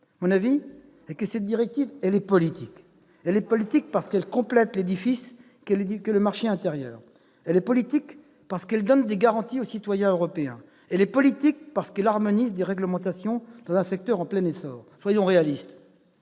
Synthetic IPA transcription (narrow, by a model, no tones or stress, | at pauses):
amɔ̃navi | ɛkəsɛt̪̚d̪iʁɛk̚t̪ivɛlɛpɔlit̪ik | ɛlɛpɔlit̪ik̚paʁsə̥kɛlkɔ̃plɛt̪led̪ifis | kɛikələmaʁʃeɛ̃t̪eʁjœːʁ | ɛlɛpɔlit̪ik | paʁsə̥kɛld̪ɔnd̪eɡaʁɑ̃t̪iosit̪wajɛ̃øʁɔpeɛ̰̃ | ɛlɛpɔlit̪ik̚paʁsə̥kɛlaʁmɔnizd̪eʁɛɡləmɑ̃t̪asjɔ̃d̪̥ɑ̃zɛ̃sɛk̚t̪œʁɑ̃plɛnesɔːʁswajɔ̃ʁealist̪